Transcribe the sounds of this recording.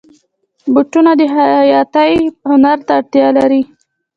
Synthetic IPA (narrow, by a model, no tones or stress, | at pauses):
bʊʈunad̪əɦajɑt̪əjhʊnaɾt̪aːɽt̪jɑlaɾi